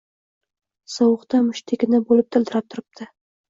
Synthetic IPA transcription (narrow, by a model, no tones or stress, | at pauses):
sɒwʊqt̪amʊʃt̪ʰekʲɪnɪbolɪp̚t̪ʰɪld̪ʰɪɾap̚t̪ʰʊɾɪp̚t̪ʰɪ